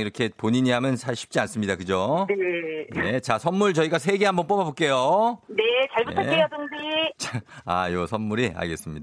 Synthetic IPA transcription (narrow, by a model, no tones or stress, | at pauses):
iɾʌkʰe̞poɲiɲiɦamjʌnsʰaɭɕʰi̥p̚t͡ɕ͈ians͈ɯmɲidakɯd͡ʑoenet͡ɕasʰʌnmuɭt͡ɕʌiɡasʰe̞ɡe̞ɦambʌnp͈omabok͈e̞jonet͡ɕʌɭbuʌejʌdɯndit͡ɕaajosʰʌnmuɾia̰ɭɡe̞s͈ɯmɲida